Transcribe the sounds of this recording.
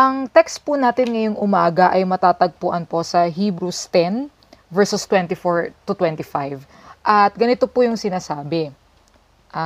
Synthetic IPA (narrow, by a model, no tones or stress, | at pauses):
ʔɐŋt̪ɛkst̪̚pʊnaːt̪ɪnŋɐjoŋʔʊmaːɡɐʔɐjmɐt̪aːt̪ɐɡ̚pʊʔɐnpo̞sɐɦiːbɾust̪ɛn | vɛɹsʊst̪wɛnt̪ɪfoɹt̪ʊt̪wɛnt̪ɪfajv | ʔɐt̪̚ɡɐnɪt̪opʊjʊŋsɪnaːsaːbɛ | ʔa